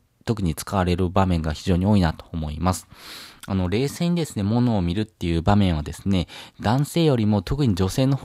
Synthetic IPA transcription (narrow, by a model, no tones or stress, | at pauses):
t̪o̞k̬ɯ̟ɲ̟it͡sɨ̥kaβaɾe̞ɾɯ̟bamẽ̞ŋɡaçiʑo̞ːɲ̟io̞ːinat̪o̞ːmo̞imasɨ̥ano̞ɾe̞ːseɲ̟id̪e̞sɨne̞mo̞no̞ːmʲiɾɯ̟t̪ːe̞jɯ̟ːbamẽ̞ɰ̃ad̪e̞sɨne̞d̪̥ãɰ̃se̞ːjo̞ɾʲimo̞t̪o̞kɯ̟ɲ̟id͡ʑo̞se̞ːno̞h